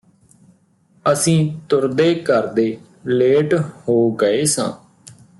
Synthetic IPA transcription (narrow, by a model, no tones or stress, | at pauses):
əsĩːt̪ʊɾd̪eːkəɾd̪eː | leːʈhoːɡəeːsã̰ː